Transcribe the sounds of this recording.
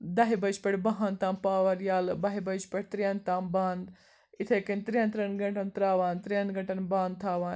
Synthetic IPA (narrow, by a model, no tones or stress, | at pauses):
d̪ɐɦibɐd͡ʒpɐɽʲbɐɦɐ̃nt̪aːmpaːʋɐɾjaːlbɐɦibɐt͡ʃpɐɽ̚ʲt̪ɾijɐnt̪aːmbaːnd̪ | it̪ʰekint̪ɾiɐnt̪ɾɐnɡɐʈɐnt̪ɾaːʋaːnt̪ɾiɐnɡɐɳʈɐnbaːnd̪̚t̪ʰaːʋaːn